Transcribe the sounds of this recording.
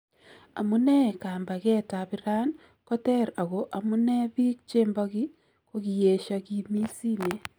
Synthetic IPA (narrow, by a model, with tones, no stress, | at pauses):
a̰˨mu˦nɛ˦˨kaː˨mba˨ɣɛ˦ta˨βi˦ɾa˦n | kɔ˦tɛ˦ɾa˨ɣo˨ʔa˨mu˦nɛ˦βi˦k̚t͡ʃeː˦mba˦ɣi˦ | ko˦ɣi˨je˨ʃaɣi˨mi˦si˦ne˨